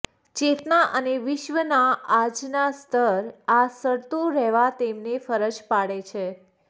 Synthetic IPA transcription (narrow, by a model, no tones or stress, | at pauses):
t͡ʃet̪naʔəneʋɪʃʋənaad͡ʒnast̪ʰəɾasəɽt̪oɾɛɦʋat̪emnefəɾəd͡ʒpaɽet͡ʃʰe